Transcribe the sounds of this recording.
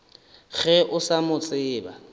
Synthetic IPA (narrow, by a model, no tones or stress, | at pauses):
ɣɛʔʊsamʊt͡sʼɪːba̰